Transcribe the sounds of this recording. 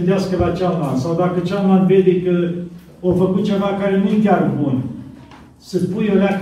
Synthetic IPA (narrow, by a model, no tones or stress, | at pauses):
nd̪easkəlat͡ʃalmansawd̪akət͡ʃalmanve̞d̪e̞kə | ofəkut̪̚t͡ʃe̞vakaɾe̞nujekʲarbun | səspujoleak